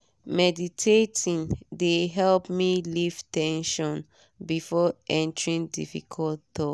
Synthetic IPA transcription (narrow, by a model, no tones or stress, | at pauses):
mɛditʰetʰĩndeɦɛlpmiliv̥tɛ̃nʃɔ̃n | bifɔʔɛ̃ntəɹĩndḭfikʰɔlttɔ